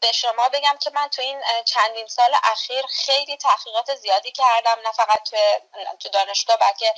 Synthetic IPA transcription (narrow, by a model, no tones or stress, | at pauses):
b̥e̞ʃo̞mɒːbe̞ɟæmcʰe̞mænt̪ʰuiːnt͡ʃʰænd̪insɒːleʔæxiːɾxe̞jliːt̪ʰæhɣiːɣɒːt̪ʰe̞zijɒːd̪iːcʰæɾd̪æmnæfæɣæt̪̚t̪ʰːujet̪ʰud̪ɒːne̞ʃɡ̥ɒːbælcʰe̞